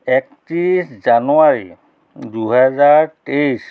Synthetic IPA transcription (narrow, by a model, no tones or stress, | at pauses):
ɛktiɹiszanuaɹi | duɦɛzaɹtejs